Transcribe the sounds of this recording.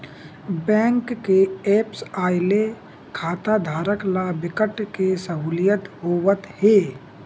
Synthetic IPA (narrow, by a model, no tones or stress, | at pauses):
bɛ̃ːŋkːeeːpsaːɪle | kʰaːt̪ad̪ʱaːɾəklabɪkəʈkesəɦuːlɪjət̪ɦoːʋət̪heː